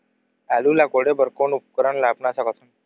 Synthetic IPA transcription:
alulakoɽebəɾkonup̚kəɾəɳlapnasakəsun

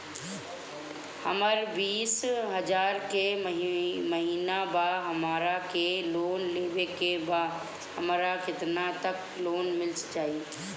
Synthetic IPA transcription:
həməɾbiːsɦəd͡ʒaːɾkeɦməɦiːnabaɦəmaːɾakeloːnleːʋekeba | hɐmɾakɪt̪nat̪ɐk | loːnmɪlst͡ʃaːi

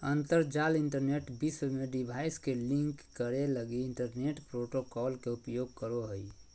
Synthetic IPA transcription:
ənt̪əɾd͡ʒaliɳʈəɾneʈbiswmeɖibʱaɪskelĩŋkːəɾeləɡiiɳʈəɾneʈpɾoʈokɔlkeupjoɡ̚kəɾoɦəj

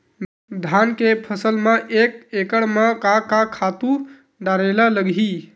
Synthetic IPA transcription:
d̪ʱankepʰəsəlməʔekekəɽmekakakʰat̪u | ɖaɾelələɡɦi

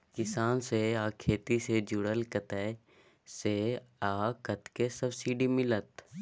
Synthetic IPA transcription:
kɪsaːnseaːkʰeːt̪ised͡ʒʊɽəlkət̪ɛ | seaːkət̪kesəbsiːɖimɪlət̪

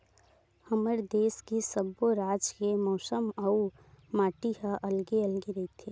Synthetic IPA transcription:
hɐməɾd̪eːskisəboɾaːd͡ʒkemɔːsəmɐu | maːʈiɦaʔɐlɡeɐlɡeɾɐɦit̪ʰeː

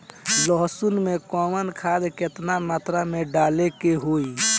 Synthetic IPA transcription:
lɔɦsunmekɔːmənkʰaːd̪ket̪namaːt̪ɾameɖaːlekeɦoːi

